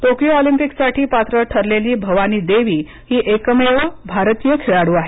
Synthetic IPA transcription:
ʈokijoɔlimpiksaʈʰiːpat̪ɾəʈʰəɾleliːbʱəʋaniːd̪eʋiː | hiːʔekəmeʋəbʱaɾt̪ijəkʰeɭaɽuːaɦe

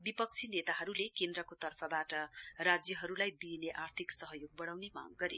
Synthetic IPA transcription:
bipʌk̚t͡sʰinet̪aɦʌɾulekend̪ɾʌkot̪ʌrpʰʌbaʈʌrad͡zjʌɦʌɾulajd̪ineʔart̪ʰiksʌɦʌjoɡ̚bʌɽawnema̰ɡɡʌɾḛ

